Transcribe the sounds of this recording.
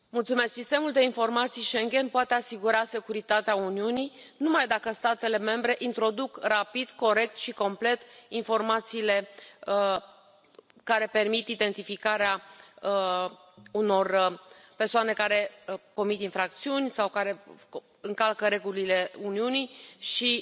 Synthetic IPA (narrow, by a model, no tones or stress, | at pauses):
mult̪sume̞sksist̪e̞muld̪e̞info̞rmat̪sijʃe̞ŋɡʲe̞npoat̪e̞asiɡuɾase̞kuɾit̪at̪eauniunij | numajd̪akəst̪at̪e̞le̞me̞mbɾe̞ʔint̪ɾo̞d̪ukrapid̪ko̞ɾe̞k̚t̪ʃiko̞mple̞t̪info̞rmat̪siːle̞ | kaɾe̞pe̞rmit̪id̪e̞nt̪ifikaɾea | uno̞rpe̞rsoane̞kaɾe̞ko̞mit̪infɾak̚t̪siunʲsawkaɾe̞ | ɨŋkalkəɾe̞ɡulile̞uniunijʃi